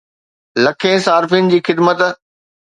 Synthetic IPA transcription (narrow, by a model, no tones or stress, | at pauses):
lɐkʰẽːsaːɾfinɪ̆d͡ʑiːxɪd̪mət̪